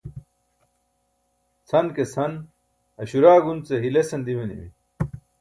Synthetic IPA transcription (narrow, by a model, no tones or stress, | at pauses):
t͡sʰɐnkesʰɐn | ɐɕuɾaːɡunt͡seɦilesɐnd̪imenimḭ